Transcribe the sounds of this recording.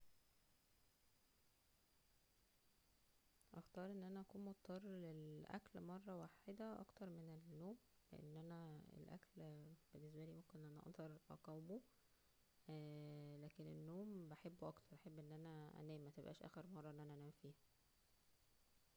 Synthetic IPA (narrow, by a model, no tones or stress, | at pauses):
ʔɑxt̪ɑːɾˤʔenːʔænæʔækuːnmot̪ːɑrˤːlelʔæ̰klmɑrˤːɑwaħed̪æʔɑ̰kt̪ɑɾˤmenelːoːmlḛʔḛnːʔænæḛlʔæ̰klbenːes̬bæliːmomkenʔʔænæʔɑ̰ʔd̪ˤɑɾˤʔɑ̰qɑwmo | læːkenenːoːmbæħebːoʔɑkt̪ɑɾˤʔɑħebːʔenːʔænæʔæ̰næːmːæt̪ebʔæ̰ːʃʔæ̰ːxeɾmɑrˤːɑʔenːʔænæʔænæːmfiːhæ